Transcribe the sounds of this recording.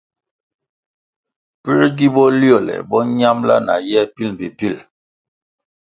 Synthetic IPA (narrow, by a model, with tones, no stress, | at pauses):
pi˦ɾɡi˦bɔ˦ljɔ˦˨lɛ̰˨bɔ˦ɲa˦mla̰˦na̰˨jɛ˦˨pi˦lbi˨pi˦˨l